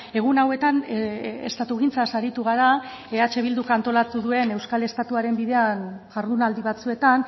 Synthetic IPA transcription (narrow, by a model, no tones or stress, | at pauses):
e̞ɣ̞unawe̞t̪anḛst̪at̪uɣint͡sasaɾit̪uɣ̞aɾa | e̞at͡ʃe̞β̞ild̪ukant̪o̞lat̪uðue̞ne̞wskale̞st̪at̪uaɾe̞mbiðe̞anʝ̥aɾðunald̪iβ̞at͡sue̞t̪an